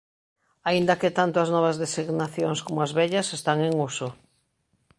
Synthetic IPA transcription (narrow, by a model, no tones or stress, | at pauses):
aind̪ɐket̪ant̪oɐznɔβ̞ɐzðesiɣnaθjoŋskomoazβɛʎɐsest̪aŋeŋuso